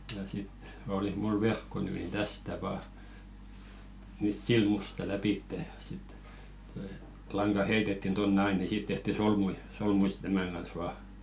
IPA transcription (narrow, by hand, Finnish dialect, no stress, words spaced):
jɑ sit olih mul ʋerkːo ny nin tæstæ ʋɑː nyt silmustɑ læpiˑtːeˑ jɑ sit toi lɑŋɡ̊ɑ heitetːin tonːĕ ɑi ni siˑt tehti solmui solmui si̥t tæmæˑŋ ɡ̊ɑn̞s ʋɑː